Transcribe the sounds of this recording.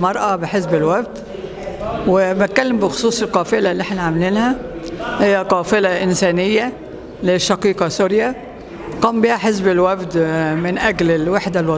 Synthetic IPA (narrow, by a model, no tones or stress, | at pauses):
mɑɾˤʔɑbɪħɪzbɪlwæfd̪ | wɪbɪt̪̚kælːɪmbɪxʊ̥sˤuːsˤɪlqɑːfɪlælːiʔeħnaʕamɪliːnhæhɪjːæqɑːfɪlæʔɪnsæːnɪjːæ | lɪʃːɑqiːqɑsʊɾja | qɑːmbiːhæħɪzbɪlwæfd̪mɪnʔæɡlɪlwaħd̪alwɑ